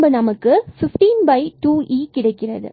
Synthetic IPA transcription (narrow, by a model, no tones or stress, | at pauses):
bɯnɐmɐkːɯfɪfʈiːnbɐɪʈuːʔiːkɪɽɐɪkːɪrɐðɯ̰